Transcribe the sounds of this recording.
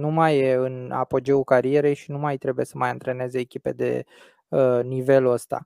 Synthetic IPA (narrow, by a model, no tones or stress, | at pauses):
numajeɨna̰po̞d͡ʒeukaɾie̞ɾe̞jʃinumajt̪ɾe̞buje̞səmajɨnt̪ɾe̞ne̞zeːkʲipe̞̰d̪e̞̰ | ənive̞ləst̪a̰